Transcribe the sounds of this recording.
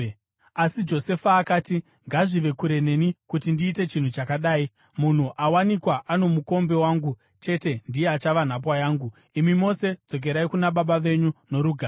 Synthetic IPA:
asid͡ʒo̞se̞faːkaːti | ŋɡaʐiʋe̞kuɾe̞ne̞nikutindiːte̞t͡ʃin̤ut͡ʃakaɗaːi | mun̤uʔawanikwaʔano̞muko̞mbe̞waːŋɡu | t͡ʃe̞te̞ndijeat͡ʃaʋan̤ap̬wajaːŋɡu | imimo̞se̞d͡zo̞k̬e̞ɾaikunaɓaɓaʋe̞ɲuno̞ɾuɡʱaː

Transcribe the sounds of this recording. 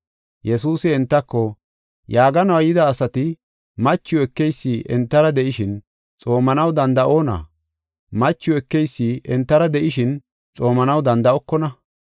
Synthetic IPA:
jɛsuːsɪɛnt̪ːɐkːɔ | jaːɡɐnɐwɐjɪd̪ɐːsɐt̪ɪ | mɐt͡ʃːɪʊɛkːɛjsːiʔɛnt̪ːɐɾɐd̪ɛʔɪʃɪn | t͡sʼo̞ːmɐnɐwd̪ɐnd̪ɐʔo̞ːnɐ̰ | mɐt͡ʃːʊɛkːɛjsːiːʔɛnt̪ːɐɾɐd̪ɛʔɪʃɪn | t͡sʼo̞ːmɐnɐwd̪ɐnd̪ɐɔkːɔnɐ

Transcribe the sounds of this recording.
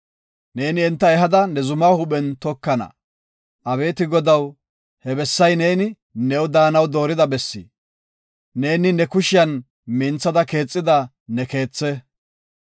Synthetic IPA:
ne̞ːnɪɛnt̪ːɐɛɦɐd̪ɐnɛzʊmaːhʊɓɛnt̪ɔkːɐnɐ̰ | ʔɐβe̞ːt̪ɪɡɔd̪ɐw | hɛbɛsːɐjne̞ːnɪ | nɛwd̪aːnɐwd̪o̞ːɾɪd̪ɐbɛsːḭ | ne̞ːnɪnɛkʊʃɪjɐn | mɪnt͡sːɐd̪ɐke̞ːt͡sʼːɪd̪ɐ | nɛke̞ːt͡sːɛ

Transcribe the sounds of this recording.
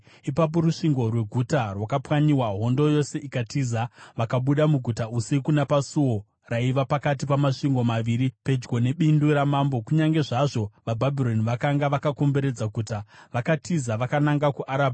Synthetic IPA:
ipap̬o̞ruʂiŋɡo̞rwe̞ɡʱutarwakapwaɲiwaɦo̞ndo̞jo̞se̞ʔikatizaʋakaɓuɗamuɡʱutausekunapasuwo̞ | raiʋapakat̬ipamaʂiŋɡo̞maʋiːɾipe̞d͡ʒɡo̞ne̞ɓinduɾamaːmbo̞kuɲaŋɡe̞ʐaʐo̞ʋabʱabʱiro̞niʋakaŋɡaʋakako̞mbe̞ɾe̞d͡zakutaʋakatʰizaʋakanaŋɡakuʔaɾaːbʱ

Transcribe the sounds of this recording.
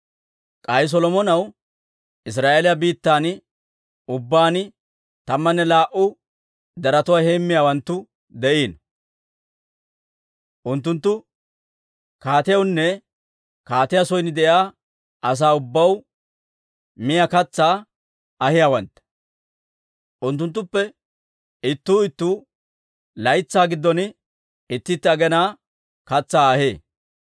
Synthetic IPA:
kʼɐjs̬ɔlɔmɔnɐw | ɪs̬ɾaːʔeːlɪjɐbiːt̪ːaːn | ʊbːaːnɪ | t̪ɐmːɐnːɛlaːʔʊ | d̪ɐɾɐt̪ʊwaːheːmːɪjaːwɐnt̪ːʊ | d̪ɛʔiːn | ʔʊnt̪̬ːʊnt̪ːʊ | kaːt̪ɪjɐwnːɛ | kaːt̪ɪjasɔjnɪd̪ɛʔjaː | ɐs̬aːʊbːɐw | mɪjakɐt͡sːaː | ɐhɪjaːwɐnt̪ | ʔʊnt̪ːʊnt̪ːʊpːɛ | ɪt̪ːuːɪt̪ːuː | lɐjt͡sːaːɡɪd̪ːɔn | ɪt̪ːɪt̪ːɛɐɡɛnaː | kɐt͡sːaːɐheː

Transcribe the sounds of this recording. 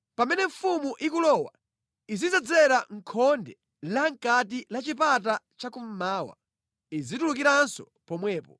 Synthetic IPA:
pamɛnɛɱfumuʔikulɔwa̰ | izizɛd͡zɛɾaŋ̩kʰɔndɛ | laŋkat̬ilat͡ʃipat̬at͡ʃakum̩maːwa̰ | izitulukiɾansɔ | pɔmwɛːpɔ

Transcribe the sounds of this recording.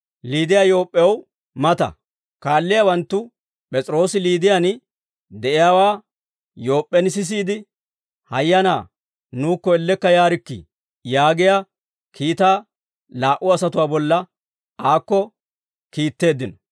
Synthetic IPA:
liːd̪ɪjajo̞ːpʼːɛw | mɐt̪ɐ̰ | kaːlːɪjawɐnt̪ːʊ | pʼɛt͡sʼɾo̞ːsɪliːd̪ɪjan | d̪ɛʔɪjaːwaː | jo̞ːpʼːɛnɪs̬ɪs̬iːd̪ɪ | hɐjːɐna̰ː | nuːkːɔɛlːɛkːɐjaːɾɪkːɪ̰ | jaːɡɪja | kʰiːt̪aː | laːʔʊɐsɐt̪ʊwaːbɔlːɐ | aːkːɔ | kiːt̪ːe̞ːd̪ːɪnɔ

